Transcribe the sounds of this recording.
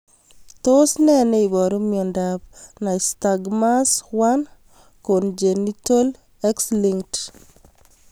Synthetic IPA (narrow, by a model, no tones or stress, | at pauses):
tosnɛneibɔɾomiɔndab̚naistaɡmaswan | kond͡ʒenitol | ɛksliŋt